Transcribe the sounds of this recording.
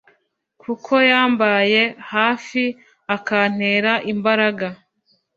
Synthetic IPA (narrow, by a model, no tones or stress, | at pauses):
kʰukʰo̞jaːmbaje̞haːfi | akan̥e̞ːɾaʔimbaɾaɡa